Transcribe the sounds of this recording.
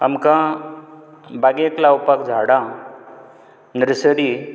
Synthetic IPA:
əmkã | baɡeklaupakd͡ʒʱaɽã | nɾsəɽi

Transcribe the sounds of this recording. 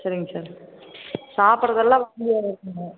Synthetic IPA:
sɐɾɪŋɡɐsaːɾ | saːpɯɾɐðɐlːãːʋɐɽɪjaːɪɾɯkːɯŋɡɐ

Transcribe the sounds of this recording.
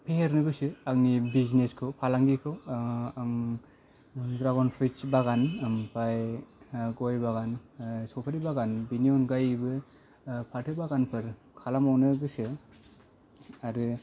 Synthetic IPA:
pʰeheɾnɯɡɯsɯak̚nibizneskʰɯwpʰalaŋɡikʰɯwaŋ | dɾaɡɔnpʰɾit͡ʃbaɡanmpaj | ɡɔjbaɡansɔpʰaɾibaɡanbiniɔnɡajbɯ | pʰatʰɯbaɡanpʰɯɾ | kʰalamawnɯɡɯsɯ | aɾɯ

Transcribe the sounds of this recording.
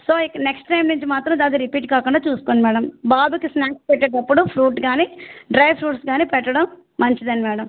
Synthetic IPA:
soːikːɐneksʈʈɐjmnuɲt͡ʃimaːt̪ɾɐmd̪aːd̪iɾipiːʈkaːkuɳɖaːt͡ʃuːsu̥koːnɖimɛːɽɐmbaːbukisnaːkspɛʈːeːʈɐpːuɽupʰɾuːʈɡaːniːɖɾɐjpʰɾuːʈsɡaːniːpɛʈːɐɽɐmː | ɐɲt͡ʃid̪ɐnimɛːɽɐm

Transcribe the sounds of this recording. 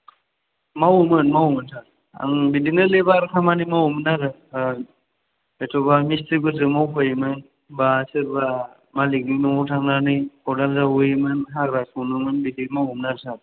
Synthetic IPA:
mawmɯnmawmɯntʰa | a̰ŋbidinɯlebaɾkʰamanimawumɯnaɾɯ | etʰɔbamistiɡɯzɯmawpʰajmɯn | basɯɾba | maliɡinɯɔtʰaŋnaɾnɯjɔdalzawujmɯnɦaɡɾasuwnɯmɯnbidimaumnaɾtʰaɾ

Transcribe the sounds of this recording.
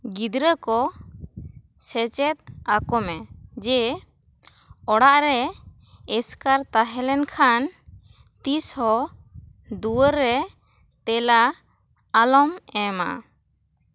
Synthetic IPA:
ɡid̪ɾəkɔ | sɛt͡ʃɛt̪̚akɔmɛd͡ʒɛ | ɔɽaʔɾɛ | ɛskaɾt̪aɦɛlɛnkʰan | t̪ishɔ | d̪uəɾɛ | t̪ɛlaː | lɔmɛma̰

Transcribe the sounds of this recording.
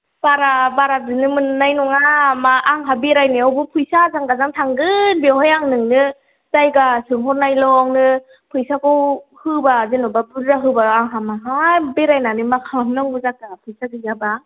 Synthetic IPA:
b̥aɾabaɾadɯnɯmɯnnajnɔŋamaːŋɦabeɾajniawbupʰujsazaŋɡazaŋtʰaŋɡɯnbewɦajaŋnɯŋnɯ | zajɡasɯŋɦɔɾnajlɔŋnɯ | pʰujsakɔwhɯbazinɔbabɯɾɾaɦɯbaːŋɦamaɦajbeɾajnanimakʰalamnaŋbɯzak̚taɡapʰujsaɡɯjaba

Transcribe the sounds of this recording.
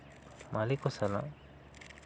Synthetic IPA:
malikɔsalã̰

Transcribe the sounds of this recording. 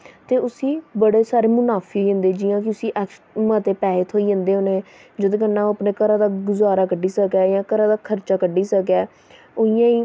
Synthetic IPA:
t̪eːʊsiːbəɽeːsaːɾeːmʊnaːpʰiːɦoːiːɦə̃nd̪eːd͡ʒɪjãːk̬ɪʊsiːʔɛkʃmət̪eːpɛːt̪ʰɦoːiːɦːnd̪eːɦoːne | d͡ʒəd̪õːkənːãːəpneːkəɾãːd̪aːɡʊzaːɾaːkəɖːiːsəkaːjãːkəɾaːd̪aːkʰəɾt͡ʃaːkəɖiːsək̬ɛː | oːɪjãːiː

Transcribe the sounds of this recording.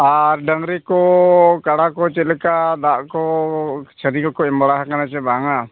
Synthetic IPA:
aɾɖəŋɾɛkɔkaɽakɔt͡ʃɛlɛkad̪aʔkɔ | t͡ʃʰəɾikɔkɔɛmbaɽaɦakanat͡ʃɛbaŋa

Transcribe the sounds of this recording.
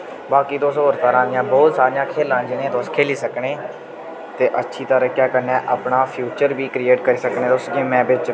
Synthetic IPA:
baːkiːt̪oːsɦoːɾt̪aːɾãːd̪ɪjãːbɔːt̪saːɾɪ̃jãːkʰeːlãːd͡ʒɪnẽːt̪oskʰeːliːsəkɽeː | t̪eːʔətːʃʰiːt̪əɾəkjaːkəɾnɛ̃ːʔapɳaːpʰjuːt͡ʃəɾbiːkɾiːeːʈkəɾiːsəknẽːt̪oseːmɛ̃ːbɪt͡ʃ

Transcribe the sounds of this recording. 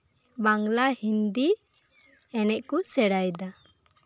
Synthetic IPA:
baŋlahind̪i | ɛnɛʔkusɛɽajd̪a

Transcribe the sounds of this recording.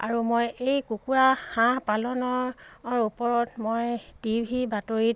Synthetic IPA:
a̰ɹumojejkukuahãpalɔnɔɹupɔɹɔtmojtibʱibatoɹit̚

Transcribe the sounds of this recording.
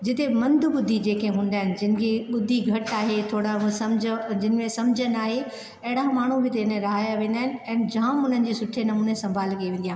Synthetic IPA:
d͡ʑɪt̪emɐ̃nd̪ʱʊɓʊd̪ʱid͡ʑeːkẽɦũːn̆d̪aːɦɪnɪ̆d͡ʑɪnɪ̆kʰeɓʊd̪ʱiɡʱɐʈaːɦet̪ʰoːɽãsɐmd͡ʑd͡ʑɪnɪ̆mẽsɐmd͡ʑʱənaːɦe | ɐɦɪɽamaːɳ̤ubʱɪt̪enẽɾɐɦaːjaʋẽːn̆d̪aːɦɪnɪ̆ɛ̃ːnd͡ʑaːmʊn̤ənɪ̆d͡ʑiːsʊʈʰenɐmuːnesɐ̃mbʱaːlkɐeʋẽːnd̪ijaː

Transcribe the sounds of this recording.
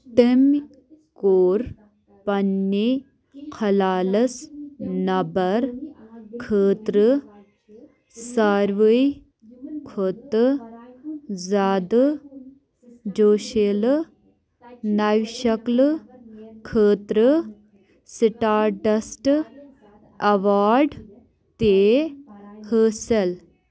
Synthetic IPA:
t̪im | koːɾ | pɐnːi | kʰɐlaːlɐsnɐbɐɾ | kʰəːt̪ɾɨ | saːɾʋəj | kʰot̪ɨ | zaːd̪ | d͡ʑoːɕel | naʋɕɐkl | kʰəːt̪ɾə | siʈaːɾʈɐsʈ | ɐʋaːɾɖ | t̪e | həːsel

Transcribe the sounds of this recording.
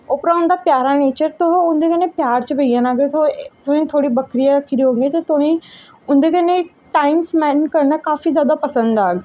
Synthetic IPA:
oːpɾaɦʊ̃n̆d̪apjaːɾaneːt͡ɕəɾt̪oɦoʊ̃nd̪ʱekɐnẽpjaːɾt͡ɕəbɪianaːɡət̪ʰot̪oĩt̪ʰoːɽibɐkɾijaɾɐkʰĩd̪ijoɦũŋɡet̪ɐt̪oːɽ̃ĩ | ʊ̃nd̪ʱekɐnẽ | ʈaːɪmsmɛ̃ːnkɐɾnəkaːfizjaːd̪apɐsə̃nd̪daːɡ

